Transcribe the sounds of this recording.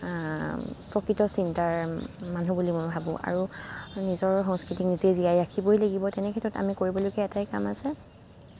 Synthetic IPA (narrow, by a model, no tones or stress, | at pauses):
pɹɔkɹitɔsintaɹmanubulimojbʱabʊ̰̃ʔa̰ɹunizɔɹxɔ̃ŋskɹitinizɛziajɹakʰibojlaɡibɔtɛnɛkʰɛtɹɔta̰mikoɹibɔlojkɛɛtajka̰masɛ